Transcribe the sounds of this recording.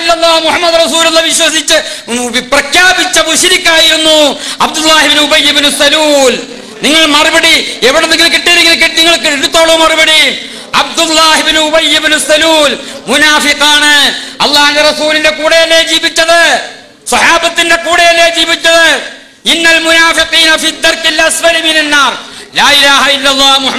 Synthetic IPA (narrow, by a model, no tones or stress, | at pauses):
lːɐlˠːaːhmuħɐmːɐd̪rɐsuːlulːɐʋiɕwɐsit͡ɕːɨprɐkʰjaːbit͡ɕːɐbuɕiɾikʲːaːjiɾunːuɐb̚d̪ulːaːhibinuubɐjːibinusɐluːl | niŋːɐɭmɐribɐɽieʋiɽeniŋːɐɭkiʈːiːɾikːinɐkeʈ̪ːiŋːɐɭkɾut̪ːoːɭɐmɐribɐɽi | ɐ̰b̚d̪ulːaːhibinuubɐjːibinusɐluːlmunaːfiqaːɳɨɐlˠːaːhunderɐsuːlinde̞kuːɽejɐlːeːd͡ʑiːbit͡ɕːɐðɨ | sɐħaːbɐt̪ːinde̞kuːɽejɐlːeːd͡ʑiːbit͡ɕːɐðɨ | inːɐlmunaːfiqiːnɐfid̪ːɐrkilːɐswɐliminɐnːaːr | laːilaːhɐilːɐlˠˤːaːhmuh